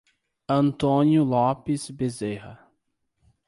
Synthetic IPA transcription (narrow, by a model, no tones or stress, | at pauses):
ɐ̃nt̪õnjʊlɔpɪsbezehɐ̰